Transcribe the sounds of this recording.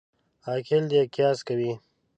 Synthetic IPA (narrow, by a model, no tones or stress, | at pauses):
haːkʰeld̪ekjaːskawi